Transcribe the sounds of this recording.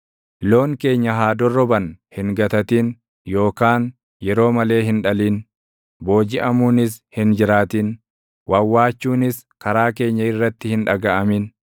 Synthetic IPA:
lo̞ːŋke̞ːɲːɐɦaːd̪ɔrːɔbɐnhɪŋɡɐt̪ɐt̪iːn | jo̞ːkaːn | jɛɾo̞ːmɐle̞ːɦɪnᶑɐliːn | bo̞ːd͡ʒɪʔɐmuːnɪs̬hɪnd͡ʒɪɾaːt̪iːn | wɐwːaːt͡ʃːuːnɪs | kɐɾaːk̬e̞ːɲːɐɪrːɐt̪ːɪhɪnᶑɐɡɐʔɐmɪn

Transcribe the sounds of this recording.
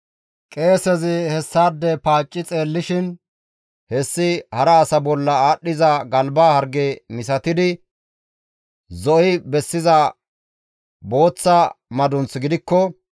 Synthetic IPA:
kʼe̞ːsɛzɪhɛsːaːd̪ːɛpaːt͡ʃʼːɪt͡sʼe̞ːlːɪʃɪn | hɛsːɪhɐɾɐːsɐbɔlːɐaːɗːɪzɐɡɐlbaːhɐɾɡemɪsɐt̪ɪd̪ɪ | zɔʔɪbɛsːɪzɐ | bo̞ːt͡sːɐmɐd̪ʊnt͡sɡɪd̪ɪkːɔ

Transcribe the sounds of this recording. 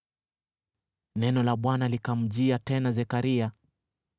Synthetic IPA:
nɛnɔlaɓwanalikam̩ʄiatɛnazɛkaɾia

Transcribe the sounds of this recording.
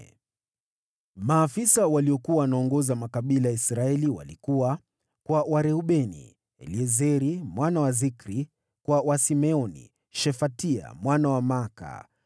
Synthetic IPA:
maːfisawaliɔkuawanaɔŋɡɔzamakaɓilajaisɾaɛliwa̰likuwa | kwawaɾɛuɓɛnḭ | ɛ̰liɛzɛɾimwʔanawazikɾi | kwawasimɛɔnḭ | ʃɛfatia̰mwanawamaka̰

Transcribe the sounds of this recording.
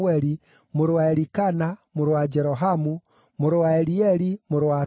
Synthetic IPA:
ɛɾi | moɾowaeɾikanamoɾwad͡ʒɛɾɔɦamu | moɾowaeɾiɛɾimoɾwa

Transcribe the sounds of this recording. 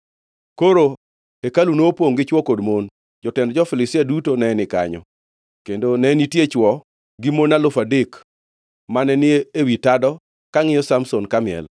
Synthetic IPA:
koɾo | ekalunoopoŋɡɪt͡ʃwɔkodmon | d͡ʒɔtɛndd͡ʒɔfɪlɪsɪadutonɛnɪka̰ɲɔ̰ | kendonɛnitjet͡ʃwɔ | ɡɪmonalʊfadɪk | manɛnɪeewitadɔ | kaŋɪjɔsamsonkamɪɛ̰l

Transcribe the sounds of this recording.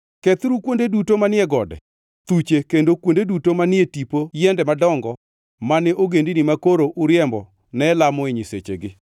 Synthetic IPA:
kɛt̪ɾukwondedutomanɪɛɡɔdɛ̰ | t̪ut͡ʃekendokwondedutomanɪetipojɛndɛmadɔŋɡɔ | manɛʔoɡendinimakoɾoʔʊɾjɛmbɔ̰ | nɛlamɔeɲiset͡ʃḛɡɪ

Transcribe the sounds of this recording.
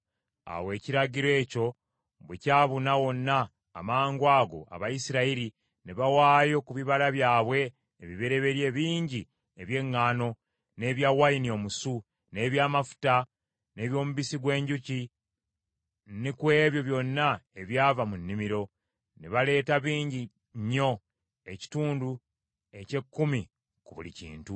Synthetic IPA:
a̰we̞ːciɾaɟiɾwe̞ːco̞ | βwecaːβunawo̞nːa̰ː | maːŋɡwaːɡo̞̰a̰βajisiɾaiɾi | neβawaːjo̞kuβiβalaβjaːβwe̞ː | βiβeɾe̞βe̞ɾje̞ːβiːɲɟi | eβje̞ŋːaːno̞ | ne̞ːβjawajinio̞musu | ne̞βjaːmafu̥ta | ne̞ːβjo̞ːmuβisiɡwe̞ːɲɟuci | nikwe̞ːβjo̞βjo̞nːaeβjaːvamunːimiɾo̞ | neβale̞ːtaβiːɲɟi | ɲːo̞ | e̞ci̥tuːndu | e̞ce̞kːumi | kuβṵlḭcḭːntu

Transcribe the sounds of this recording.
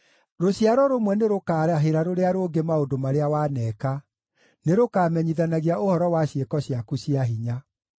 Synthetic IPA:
ɾoɕjaɾɔɾomwɛneɾokaːɾaɦeɾaɾoɾeaɾoːɡemaondomaɾeawaːnɛːka | neɾokaːmɛɲiðanaɣiaohɔɾɔwaɕjekɔɕjakuɕiaɦiɲa

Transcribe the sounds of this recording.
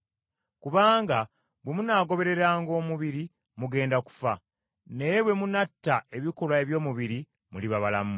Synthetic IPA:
kuβaːŋɡa | bwe̞munaːɡo̞βe̞ɾe̞ɾaːŋɡo̞ːmuβiɾi | muɡe̞ːndaku̥fa̰ | ne̞jeβwe̞munatːae̞βikolwaeβjo̞ːmuβiɾi | muliβaβalamu

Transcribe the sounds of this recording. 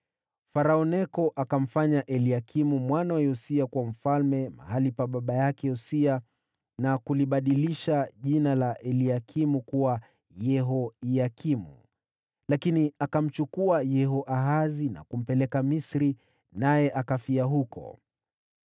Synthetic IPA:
faɾaɔnɛkɔʔakam̩faɲaʔɛliakʰimumwanawajɔsiakwam̩falmɛma̰ɦalipaɓaɓajakɛɔsia | nakuliɓaɗiliʃaʄinalaʔɛliakʰimukuwa | jɛɦɔiakʰimṵ | lakiniakam̩t͡ʃukuajɛɦɔʔaɦazina̰kum̩pɛlɛkamisɾi | najɛʔakafiaɦukɔ̰

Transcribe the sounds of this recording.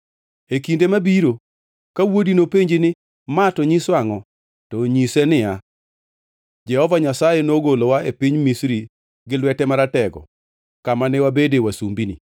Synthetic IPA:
ekindemabiɾo | kawodinopeɲd͡ʒɪnɪ | matɔɲiswaŋɔ | tɔɲisɛnɪa | d͡ʒɛhɔvaɲasajenoɡolowaepiɲmisɾi | ɡɪlwɛtɛmaɾatɛɡɔ̰ | kamanɛwabedewasumbinḭ

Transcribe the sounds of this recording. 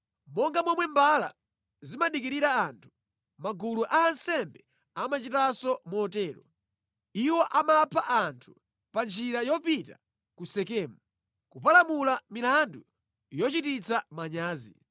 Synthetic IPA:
mɔŋɡamwɛmwɛmbala̰ | zimaɗikiɾiɾaːntʰu̥ | maɡuluʔaːnsɛmbɛ | amat͡ʃitasɔmuɔtɛːɾɔ̰ | iwɔʔamapʰaʔantʰu̥ | pand͡ʒiɾajɔpita̰ | kusɛkɛːmu | kupalamulamilandu | jɔt͡ʃitit͡sʰamaɲaːzḭ

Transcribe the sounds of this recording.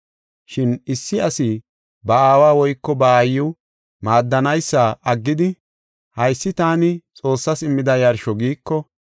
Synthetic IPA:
ʃɪnɪsːɪɐsɪ | bɐaːwaːwɔjkːɔbɐːjːʊ | maːd̪ːɐnɐjsːaːʔɐɡːɪd̪ɪ | hɐjsːɪt̪aːnɪt͡sʼo̞ːsːɐsɪmːɪd̪ɐjɐɾʃɔɡiːkːɔ

